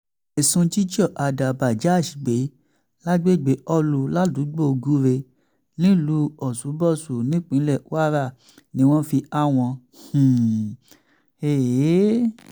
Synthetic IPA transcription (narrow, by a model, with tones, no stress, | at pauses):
ɛ˨sũ˧d͡ʒi˦d͡ʒɔ˦˨ʔa˧da˨ba˨d͡ʒa˨˦˨ʃi˨ɡ͡be˨˦ | la˦ɡ͡be˦˨ɡ͡be˨˦ɔ˦lu˧la˦du˨˦ɡ͡bo˦˧ɡu˦ɾe˧ | nĩ˦lu˧˦ɔ˨su˨˦bɔ˦˨su˨nĩ˨˦k͡pĩ˨˦lɛ˦˨˦a˦ɾa˦˨ | nĩ˧˦w̃ɔ̃˦fi˧a˦˨w̃ɔ̃˧ | hũ˨ | e˨˦